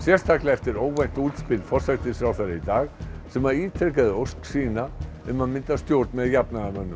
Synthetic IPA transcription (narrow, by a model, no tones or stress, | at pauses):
sjɛst̪ʰaklɛft̪ɪɾoːwvɛjn̥t̪uːt̪spɪlfɔr̥sɛkt̪ɪsɾawθaɾɪit̪aːɣsɛmaɾiːt̪ʰekaðɪosksiːna | ɛmanmɪnt̪ast̪jowɾt̪nmɛðjapnamœnːʏ